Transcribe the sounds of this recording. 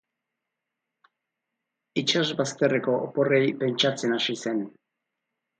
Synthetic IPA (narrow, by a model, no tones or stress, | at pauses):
it͡ʃaʒbast̪erekoʔoporejpent͡ʃat͡senaʃisen